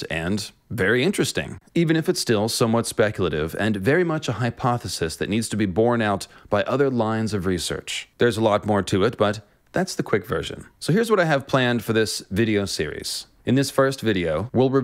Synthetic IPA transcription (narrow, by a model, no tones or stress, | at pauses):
ɨ̰̃n | vɛɹiɪ̃nt͡ʃɹ̥ɨstɪ̰̃ŋivɨ̃ñɨfɨtstɪlˠsoʊ̃mwʌtspɛkjl̩ˠəɾɪ̰vɨ̰̃nvɛɹimʌt͡ʃəhaɪpʰɑθɨsɨsðɨ̰tⁿnidz̥tʰɨbibɔɹnaʊt̚b̥aɪʔʌðə˞lãɪ̃nzʌvɹisɜ̰˞t͡ʃðə˞zəlɔt̚mɔɹtʰɨɪt̚b̥ʌt̪̚ | ðætsðɨkʰw̥ɪkvɜ̰˞ʃɨ̰̃nsoʊhɪɹzwʌɾaɪɨv̥pʰl̥æ̃nd̥fə˞ðɪsvɪɾioʊsɪ̰ɹḭz̥ | ɨ̃nðɪsfɜ˞stvɪɾioʊwɪlˠɹɨ